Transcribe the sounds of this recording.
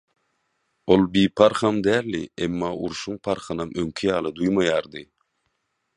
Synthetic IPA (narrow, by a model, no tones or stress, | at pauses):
olˠbiːpʰɑɾχɑmd̪æːɾlḭemːɑːʔuɾʃuŋpʰɑɾχɑnɑmøŋkʲʰijɑːlˠɯd̪ujmɑjɑːɾd̪ɨ